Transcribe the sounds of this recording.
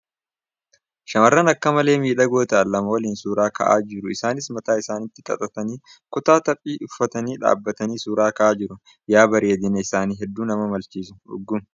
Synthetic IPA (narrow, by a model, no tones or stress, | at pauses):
ʃɐmɐrːɐnɐkːɐmɐle̞ːmiːᶑɐɡo̞ːt̪ɐʔɐlːɐmɐwɐliːnsuːɾaːkɐ̰ʔa̰ːd͡ʒɪɾʊɪsaːnɪsmɐt̪aːɪsaːnɪt̪ːɪkʼɐ̰t̪ʼɐt̪ɐniː | kʊt̪aːt̪ɐpʼːiːʊfːɐt̪ɐniːᶑa̰ːbːɐt̪ɐniːsuːɾaːkɐʔaːd͡ʒɪɾʊ | jaːbɐɾeːd̪ɪnɐɪsaːniːɦɛd̪ːuːnɐmɐmɐlt͡ʃiːsʊ̥ʔʊ̰ɡːʊm